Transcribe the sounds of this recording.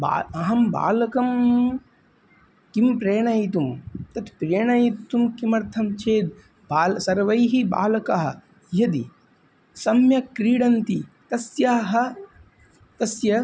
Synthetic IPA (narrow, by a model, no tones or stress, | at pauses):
ba̰ːɐɦɐmba̰ːlɐkɐm | kimpɾeːɳɐjt̪̬umt̪ɐt̪pɾeːɳɐjit̪umkimɐɾt̪ʰɐmt͡ʃʰeːd̪̚ | baːlsɐɾʋɐjɦiba̰ːlɐkɐɦɐ̆ | jɐd̪ḭ | sɐmjɐkɾiːɽɐnt̪it̪ɐsjaːɦɐ̆ | t̪ɐsjɐ